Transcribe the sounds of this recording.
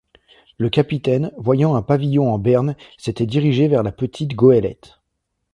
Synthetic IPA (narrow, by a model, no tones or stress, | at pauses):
ləkʲapit̪ɛnvwajɑ̃ɛ̃pavijɔ̃ɑ̃bɛʁnset̪ɛd̪iʁiʒevɛʁlapət̪ʰit̪ɡoɛlɛ̰t̪